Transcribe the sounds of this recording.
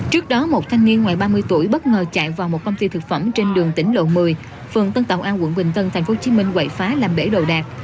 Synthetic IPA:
t͡ɕɨ˦˥ək̚ɗɔ˨˦mo˨˩t̚t̪ʰa˧jŋ̟ni˧ənŋwaː˨˩jɓaː˧mɨ˧əjt̪u˧˩əjɓə˦˥t̚ŋəː˨˩t͡ɕa̰ː˧˨jvaː˨˩wmo˨˩t̚kə˧wŋ͡mt̪i˧t̪ʰɨ˨˩k̚fə˧˩mt͡ɕe˧nɗɨ˨˩əŋt̪ï˧˩ŋ̟lo̰˧˨mɨ˨˩əj | fɨ˨˩ənt̪ə˧nt̪a̰˨˩wʔaː˧wə̰˧˥nɓï˨˩ŋ̟t̪ə˧nt̪ʰa˨˩ŋ̟fo˨˦t͡ɕi˨˦mï˧ŋ̟kwə̰˧˩˨jfaː˨˦laː˨˩mɓḛ˧˩ɗo̰˧˨ɗaː˨˩k̚

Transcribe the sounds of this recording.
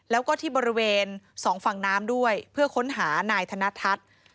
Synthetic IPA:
lɛː˦˥wkɔː˥˩t̪ʰiː˥˩bɔː˧ɾi˦˥weː˧nsɔː˩˦ŋfa˨˩ŋnaː˦˥mdu˥˩əjpʰɯ˥˩ɐkʰo˦˥nɦaː˩˦naː˧jt̪ʰa˧na˦˥t̪ʰa˦˥t̪̚

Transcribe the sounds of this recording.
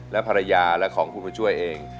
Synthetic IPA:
lɛ˦˥pʰa˧ɾa˧jaː˧lɛ˦˥kʰɔː˩˦ŋpʰuː˧˩ma˧t͡ɕʰu˥˩əjʔeː˧ŋ

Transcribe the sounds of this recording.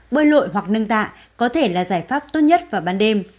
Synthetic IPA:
ɓəː˧lo̰˧˨jɦwa˨˩k̚nə˧ŋt̪a̰ː˧˨ | kɔ˨˦t̪ʰe˧˩laː˨˩zaː˧˩jfaː˦˥p̚t̪o˦˥t̚ɲə˦˥t̚vaː˨˩ɓaː˨˧˩nɗe˧m

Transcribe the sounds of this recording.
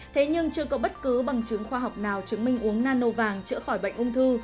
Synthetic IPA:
t̪ʰe˨˦ɲɨ˧ŋt͡ɕɨ˧əkɔ˨˦ɓə˦˥t̚kɨ˨˦ɓa˨˩ŋt͡ɕɨ˨˦ŋxwaː˧ɦa˨˩wk͡p̚naː˨˩wt͡ɕɨ˨˦ŋmï˧ŋ̟ʔu˨˦əŋnaː˧no˧vaː˨˩ŋt͡ɕɨ̰˧˥əxɔ˧˩jɓə̰˧˨ŋ̟ʔʊ˧ŋ͡mt̪ʰɨ˧

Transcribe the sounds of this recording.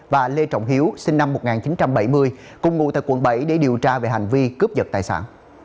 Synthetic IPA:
vaː˨˩le˧t͡ɕɔ̰˧˨wŋ͡mɦi˨˦əwsi˧ŋna˧mːo˨˩t̚ŋaː˨˩nt͡ɕi˨˦nt͡ɕa˧mɓə˧˩jmɨ˧əj | kʊ˨˩ŋ͡mŋṵ˧˥t̪a̰ː˧˨jkwə̰˧˩nɓə̰˧˩jɗe˧˩ɗi˨˩əwt͡ɕaː˧ve˨˩ɦa˨˩jŋ̟vi˧kɨ˦˥p̚zə˨˩t̚t̪aː˨˩jsa̰ː˧˥˩n

